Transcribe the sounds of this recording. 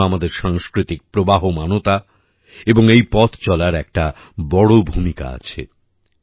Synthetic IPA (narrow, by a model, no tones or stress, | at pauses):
amad̪eɾʃaŋskɾit̪ik̚pɾobaɦomanot̪a | eboŋejpɔt̪ʰt͡ɕɔlaɾɛk̚ʈa | bɔɽobʱumika̰a̰t͡ɕʰḛ